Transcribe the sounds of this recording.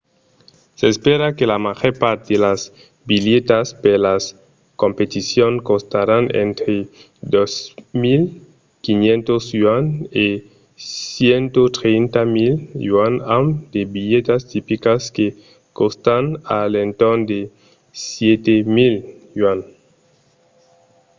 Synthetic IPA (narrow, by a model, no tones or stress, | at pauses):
seːspeɾakelamaʝoɾpaɾt̪edelaz | biljet̪aspelas | kompet̪isjoŋkost̪aɾanḛnt̪ɾe | d̪osmil | kinjẽnt̪osjwane | sjent̪ot̪ɾejnt̪amiljwanamd̪ebiʎet̪ast̪ipikaske | kost̪analent̪ond̪e | sjet̪emiljwan